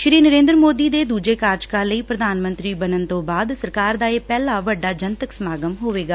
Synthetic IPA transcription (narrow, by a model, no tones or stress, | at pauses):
ʃɾiːnəɾẽːnd̪ɾəmoːd̪iːd̪eːd̪uːd͡ʒeːkaːɾd͡ʒkaːləiːpɾəd̪ʱaːnmə̃nt̪ɾiːbənənt̪õːbaːd̪səɾkaːɾd̪aːeːpɛːlaːʋəɖːaːd͡ʒənt̪əksmaːɡəmɦoːʋeːɡaː